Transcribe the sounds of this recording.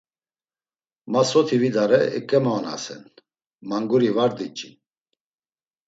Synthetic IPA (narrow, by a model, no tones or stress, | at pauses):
masɔt̪ʰivid̪aɾɛɛ̰kʼɛmana̰sɛ̰n | maŋɡuɾivaɾd̪it͡ʃʼi